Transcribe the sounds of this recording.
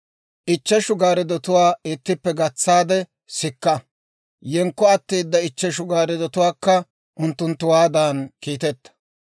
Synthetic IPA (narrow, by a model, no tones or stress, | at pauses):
ʔɪt͡ʃːɛʃʊɡaːɾɪd̪ɔt̪ʊwaːɪt̪ːɪpːɛɡɐt͡sːaːd̪ɛ | sɪkːɐ | jɛŋkːɔɐt̪ːiːd̪ːɐɪt͡ʃːɛʃ̬ʊɡaːɾɪd̪ɔt̪ʊwaːkːɐ | ʔʊnt̪ːʊnt̪ːʊwaːd̪aːnkiːt̪ɛt̪ːɐ̥